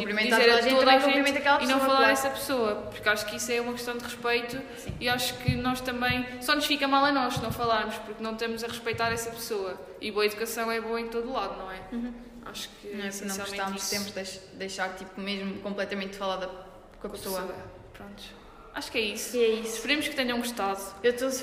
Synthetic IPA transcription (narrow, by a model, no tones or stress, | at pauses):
kõpɾimẽizeɾɐɐẽoðaʒkpɾimẽnɐkɛlˠɐpinnɐ̃w̃fɐlˠaɾðɛsɐpsoɐpuɾkaʃu̥kisɛumɐkʃt̪ɐ̃w̃d̪ʁɨʃpɐjt̪u | sĩiaʃu̥kɨnɔʃt̪ɐ̃mbɐ̃j̃sɔnuʃfikɐmalˠɐnɔʃnɐ̃w̃fɐlˠaɾmuʃpuɾknɐ̃w̃ʃt̪ɐmuzɐʁɨʃpɐjt̪aɾɛsɐpsoɐ | iβoɐiðukɐsɐ̃w̃ɛβoɐẽt̪oðulˠaðunɐ̃w̃ɛ̃ | a̰ʃu̥kɨ̃ɛsnɐ̃sial̃ˠmẽt̪amsẽmpɾd̪ɐjʃ | d̪ɐjʃaɾt̪ipumeʒmukõmplˠɛt̪ɐmẽnt̪fɐlˠaðɐ | kõɐkpsoɐ | pɾõnt̪u̥ | aʃu̥kɛisu̥ɛisfɨɾimuʃkɨt̪ɐ̃ɲɐ̃ũʃt̪aðuewt̪o